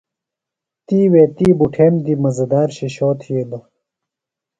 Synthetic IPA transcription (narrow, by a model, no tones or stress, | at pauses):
t̪iːweːt̪iːbuʈʰeːmd̪imɐzɐd̪aːɾɕeɕoːt̪ʰijed̪ɐ